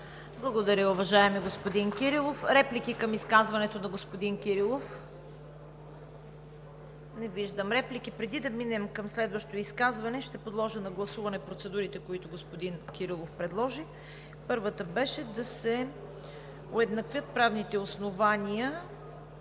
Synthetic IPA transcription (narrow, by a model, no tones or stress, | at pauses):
blˠɐɡod̪ɐɾʲəʊvɐʒaɛmiɡospod̪inkʲiɾilˠofɾɛplik̟ikɐmiskazvɐnɛt̪onɐɡospod̪inkʲiɾilˠof | nɛviʒd̪əmɾɛplikipɾɛd̪id̪ɐminɛmkɐmslɛd̪vɐʃt̪oiskazvɐnɛʃt̪ɛpod̪lˠɔʒənɐɡlˠɐsuvɐnɛpɾot̪sɛd̪uɾit̪ɛkoit̪ʊɡospod̪inkʲiɾilˠofpɾɛd̪lˠɔʒi | pɤɾvət̪əbɛʃɛd̪ɐsɛ | oɛd̪nɐkvʲjət̪̚pɾavnit̪ɛosnovanʲijə